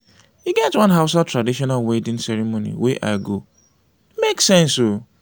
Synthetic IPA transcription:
hiɡɛtwãnɦaʊsatɹadiʃɔnalwedɪ̃nsɛɾemonḭwɛʔa̰ɪɡo | meksɛ̃nso

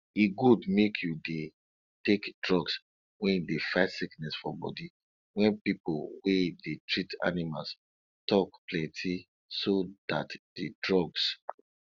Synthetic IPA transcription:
iɡudmekʰjude | tekdɹɔɡs | wɛ̃ndefaɪtsiknɛsfɔbɔ̰di | wɛ̃npipolwedetɹita̰nima̰ls | tɔkplɛ̃ntʰi | sodatd̥edɹɔɡs

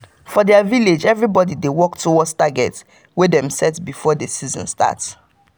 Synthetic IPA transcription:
fɔdɛaviled͡ʒɛvɹibɔdidewɔk̚tʰuwɔstaɡɛt | wedɛ̃msɛtbifɔdesizɔ̰̃nsta̰ts

